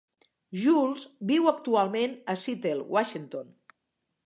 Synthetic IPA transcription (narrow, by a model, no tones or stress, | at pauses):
ʒulˠzbiwək̚t̪ualˠmenəsit̪elˠwʔaʃint̪on